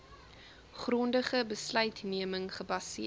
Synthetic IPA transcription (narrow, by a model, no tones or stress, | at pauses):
χrɔndəχəbəslœɥtniəməŋχəbɐsi